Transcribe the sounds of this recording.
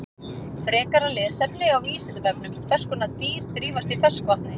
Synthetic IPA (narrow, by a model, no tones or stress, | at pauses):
fɾɛːkaɾalɪsɛmlɪɣawviːsɛnt̪ɪpɛpnʏmfɛ̥skʏnat̪iːɾ̥θɾiːvast̪ifɛskvaht̪nɪ